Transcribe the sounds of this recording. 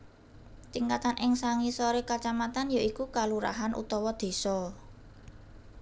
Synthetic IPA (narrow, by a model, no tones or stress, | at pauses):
t̪iŋkat̪anʔɪŋsaŋisɔɾekat͡ʃamat̪anjaʔikukaluɾa̰ɦanʔṵt̪ɔwɔd̪̥e̤sɔ